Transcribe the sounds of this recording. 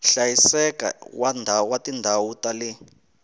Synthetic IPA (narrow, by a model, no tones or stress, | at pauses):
ɬajisɛka̰wandʱawatindʱawutali